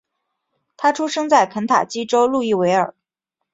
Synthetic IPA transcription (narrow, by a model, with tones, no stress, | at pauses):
t̪ʰa˥ʈ͡ʂʰu˥ʂɤ˥ŋt͡sa˥˩ɪkʰə˧˥nt̪ʰa̰˨˩t͡ɕi˥ʈ͡ʂo˥ʊlu˥˧i˥˩we˧˥ɪə˞˨˩˦